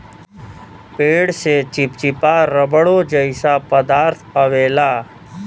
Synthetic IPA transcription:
peːɽset͡ʃɪp̚t͡ʃɪpaːɾəbəɽoːd͡ʒəɪsaːpəd̪aːɾt̪ʰəʋeːlaː

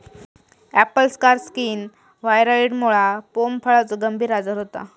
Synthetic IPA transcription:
æpəlskaɾskiːn | ʋajɾaiɽmoɭapompʰəɭət͡səɡəmbʱiːɾad͡zəɾɦot̪a̰

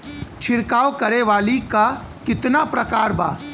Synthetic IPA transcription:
t͡ʃʰɪɾkaːwkɐɾeʋaːlikakɪt̪napɾɐkaːɾba̰ː

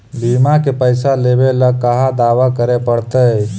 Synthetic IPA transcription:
limakepəjsalebeləəɦad̪aʋakəɾepəɽ̤t̪əj

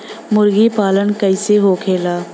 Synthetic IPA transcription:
mʊɾɡipaːlənkɐɪseɦoːkʰeːlaː

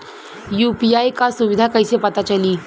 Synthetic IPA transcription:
jupiajkasuʋid̪ʱakəjsepat̪at͡ɕaliː

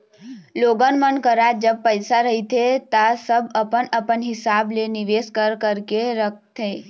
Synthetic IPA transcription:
loːɡənmənkəɾad͡ʒəb̚pəɪsaɾəɦit̪ʰet̪asəbəpənəpənɦɪsaːblenɪʋeːskəɾkəɾkeɾək̚ʰt̪ʰeː

